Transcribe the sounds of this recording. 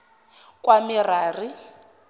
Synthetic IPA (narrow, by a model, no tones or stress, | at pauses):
kʼwamiraːri